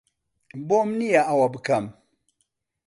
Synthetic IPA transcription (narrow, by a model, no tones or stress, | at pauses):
bomnijaawabkam